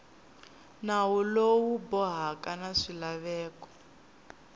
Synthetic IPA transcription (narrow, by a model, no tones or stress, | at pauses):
nawulowubɔɦakanaʂilaβɛːkɔ̥